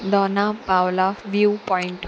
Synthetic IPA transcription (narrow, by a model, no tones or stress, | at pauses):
d̪ɔnapawlaʋjupɔiɳʈ